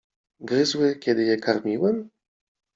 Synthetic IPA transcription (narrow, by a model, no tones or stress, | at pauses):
ɡɾɘzwɘkʲɛd̪ɘjɛkʰaɾmʲiwɛm